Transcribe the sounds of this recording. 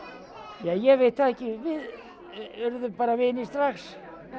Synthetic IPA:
jajɛʋet̪θaðɛkːɪvɪð | ʏɾðʏpaːɾaʋɪːnist̪ɾaks

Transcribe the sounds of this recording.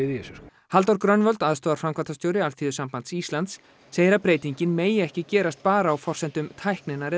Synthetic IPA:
ɪðjɛsʏɾ̥ | halt̪ɔwɾkɾœnvœlt̪aðst̪ɔːðaɾfɾamkʰvant̪ast̪jowɾɪalfʰiːðʏsampant̪sist̪lant̪sː | eːjɪɾapɾeːjt̪iɲcɪnmeːjɪɛhcɪcɛːɾast̪̚paːɾaːwfɔr̥sɛnt̪ʏmt̪ʰajhknɪnaɾɛ

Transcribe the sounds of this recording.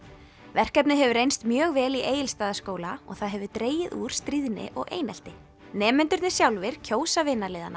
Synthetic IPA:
vɛr̥kɛpnɪɦɛvʏɾejnst̪mjœːɣvɛːliʔeːjɪlst̪aːðaskoːwlaɔ̰ɣθaðɦɛvʏt̪ɾeːjɪðṵːɾ̥st̪ɾiːðnɪ̰ʔɔ̰ɣʔḛːjnɛl̥t̪ɪ | nɛːmɛnt̪ʏɾt̪nɪsjawlvɪɾ̥cʰoːwsavɪnːaleːðana

